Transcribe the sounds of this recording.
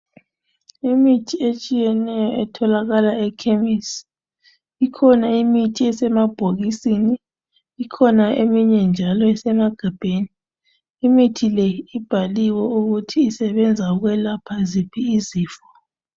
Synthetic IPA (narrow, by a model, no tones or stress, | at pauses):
imitʰiet͡ʃʼijɛnɛjɔɛtʰɔlaɣalaɛkʰemis | ikʰɔnaimitʰiɛsɛmab̥ʱoɣisiniː | kʰɔnaemiɲɛnd͡ʒʱalɔɛsɛmaɡ̥ʱab̥ʱeːniː | mitʰilejiib̥ʱaliwɔuɣutʰiːsɛβɛnd͡zʱauɣwɛlapʰazipʰiːziːfɔ̥